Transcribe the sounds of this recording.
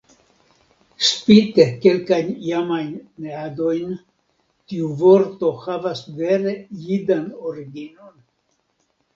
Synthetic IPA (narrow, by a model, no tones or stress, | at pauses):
spit̪eke̞lkajnjamajnːeado̞jn | tiuvo̞ɾt̪o̞havasveɾe̞jidanoɾiɡino̞n